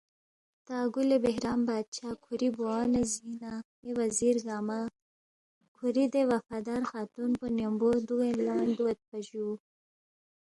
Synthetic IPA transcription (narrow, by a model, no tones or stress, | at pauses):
t̪aːɡulebeɦɾɑːmbɑːd̪̚t͡ʃʰaːkʰuɾiboanezina | ewaziɾɡaːma | kʰuɾid̪ewafaːd̪aːɾxɑːt̪unponembod̪uɣenlamand̪uwat̪̚paʒu